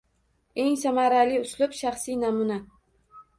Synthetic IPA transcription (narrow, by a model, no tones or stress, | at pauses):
e̞ŋsamaɾalɪʊslɪpʃaχsinamʊna